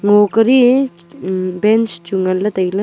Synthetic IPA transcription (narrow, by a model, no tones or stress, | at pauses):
ŋokɐɾi | bent͡ʃt͡ʃuŋɐlːɐt̪ɐjlɐ